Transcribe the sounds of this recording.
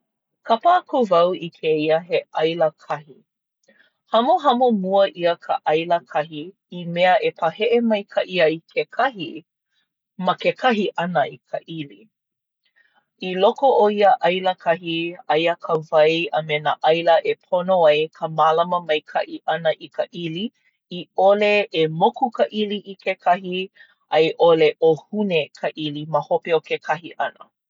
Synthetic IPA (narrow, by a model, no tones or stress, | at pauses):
kʰɐpakʰuvɐwikʰeiəɦeʔɐjləkʰɐhi | hɐmoɦɐmomuəʔiəkʰəʔɐjləkʰɐɦiː | mɛəʔepʰɐhɛʔemɐjkʰɐʔiɐikʰekʰɐhi | mɐkekʰɐɦiʔɐnəikʰəʔili | ilokooiəʔɐjləkʰɐɦiɐjəkʰəvɐjɐmenaʔɐjləʔepʰonoɐjkʰəmalɐməmɐjkʰɐ̰ʔiʔɐnəʔikəʔili | ioleemokukɐʔiliʔikʰekʰɐɦi | ʔɐjʔoleʔohunekʰɐʔiliməhopeokekʰɐhiʔɐnə̰